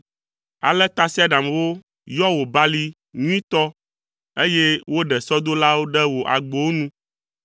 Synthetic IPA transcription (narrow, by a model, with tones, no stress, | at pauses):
a̰˨lɛ˦t̪a˦si˦a˦ɖa˨mwo˦ | jɔ˦wo˨ba˦li˦ | ŋũ˦ĩ˦t̪ɔ˦ | e˦je˦wo˦ɖɛ˨sɔ˦d̪o˦la˦wo˦ɖɛ˦wo˨ʔa̰˨ɡ͡bo˨wo˦nũ˦